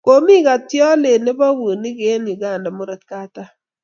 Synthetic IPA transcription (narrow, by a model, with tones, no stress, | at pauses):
ko˦mi˦ka˨tjɔ˦le˨ne˦ba˦wu˨nɪ˦ɡe˦nu˨ɡa˨nda˨mo˦ɾɛ˨t̪ka˦ta˦